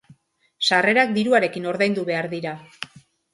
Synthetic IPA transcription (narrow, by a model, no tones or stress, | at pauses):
sare̞ɾak̚d̪iɾuaɾe̞kino̞ɾðajnd̪uβe̞aɾðiɾa